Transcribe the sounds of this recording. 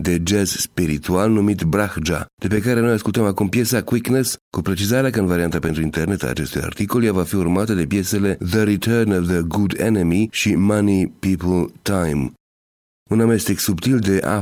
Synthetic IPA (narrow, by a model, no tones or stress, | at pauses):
d̪e̞d͡ʒezspiɾit̪ualnumit̪bɾaxd͡ʒa̰d̪̥e̞pe̞kaɾe̞no̞jaskult̪əmakumpje̞sakwikneskupɾe̞t͡ʃizaɾeakəɨnvaɾiant̪ape̞nt̪ɾuint̪e̞rne̞t̪a̰ːt͡ʃe̞st̪uja̰rt̪iko̞ljavafiurmat̪əd̪e̞pje̞se̞le̞ðəɾit̪ʰəɾnəvðəɡud̪ḛnemiʃimanipipəlt̪ajm | uname̞st̪eksupt̪ild̪e̞ʔa̰